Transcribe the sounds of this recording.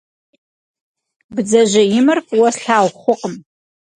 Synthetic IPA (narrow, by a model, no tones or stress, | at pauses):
bd͡zɐʒʷajɪmɨrkʷʼwɐsɬaːwχʷʊqʼəm